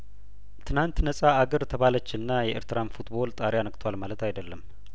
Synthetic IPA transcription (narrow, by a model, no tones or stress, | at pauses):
t̪ʰɨnant̪nəsʼaːɡəɾt̪ʰəβalət͡ʃːɨnːajɛʔɪ̰ɾt̪ɨɾanfut̪bo̞lt̪ʼaɾejanəkʼt̪ʰwalmalət̪ajd̪əlːəm